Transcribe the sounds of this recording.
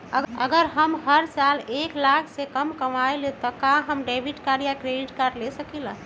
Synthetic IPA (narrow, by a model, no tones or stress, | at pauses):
əəɡəɾɦəmɦəɾsaleklakʰsekəmkəmaelet̪ɔkãɦəmɖebʱiʈkaɾijakɾeɖiʈkaɾɖlesəkilə